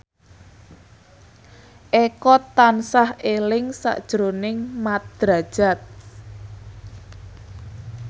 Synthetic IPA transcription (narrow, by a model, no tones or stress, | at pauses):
ʔekɔt̪ansahelɪŋsa̰ʔd̥ʒ̥ɾonɪŋmat̪̚d̪̥ɾa̤d̥ʒ̥a̤t̪̚